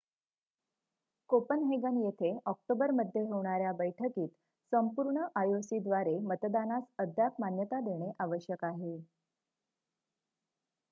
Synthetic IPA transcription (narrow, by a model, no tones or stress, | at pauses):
kopənɦeɡənjet̪ʰeʔɔk̚ʈobəɾməd̪ʱːjeɦoʋɳ̃aɾjabəjʈʰəkiːt̪ | səmpuɾɳəʔajosid̪ʋaɾemət̪d̪anasəd̪ʱjapmanjət̪ad̪eɽ̃eʔaʋəɕjəkaɦe